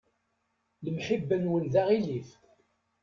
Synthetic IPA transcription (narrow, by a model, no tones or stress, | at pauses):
ləmħibːənwənðaʁiliθ